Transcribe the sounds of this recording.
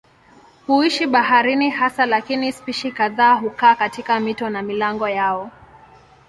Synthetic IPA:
huiʃiɓaɦaɾinihasalakinispiʃikaðaːɦukaːkatikamitɔnamilaŋɡɔjaɔ

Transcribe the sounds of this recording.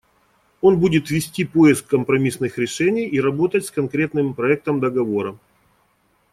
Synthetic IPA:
o̞nbudʲɪt̪vʲɪsʲtʲipo̞ɪskːəmpɾɐmʲisnɨxɾʲɪʂɛnʲɪjiɾɐbo̞t̪ətʲskɐnkɾʲe̞t̪nɨmpɾɐɛk̚t̪əmd̪əɡɐvo̞ɾə

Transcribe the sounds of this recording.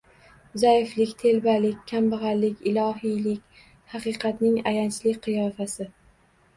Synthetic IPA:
zajɪflɪkʲt̪ʰe̞lbalɪkʲkʲʰːambɨʁɑɾlɪkʲɪlˠɒɦijlɪkʲ | hɑqɨqʰɑt̪nɪŋajant͡ʃʰlɪkʲqʰɨjɒfasɪ

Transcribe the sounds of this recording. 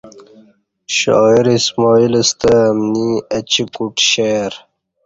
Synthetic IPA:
ɕo̰ːiɾismɔːiləst̪əːmniɐt͡ɕikuʈɕeɾ

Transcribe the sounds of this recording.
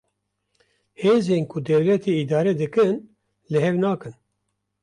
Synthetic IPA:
heːzeːnkʰud̪ɛwlɛt̪ʰeid̪aːɾɛd̪ɨkɨn | lɨhɛvnaːkɨn

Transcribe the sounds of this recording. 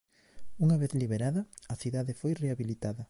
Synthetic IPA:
uŋaβeθliβeɾaðɐɐθiðaðefojreaβilit̪aðɐ

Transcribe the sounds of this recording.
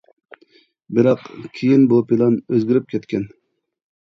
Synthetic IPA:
bɪɾɑqkʲʰijinbupʰilˠɑnøzɡʲiɾɪp̚kʲʰɛt̪kʲɛn

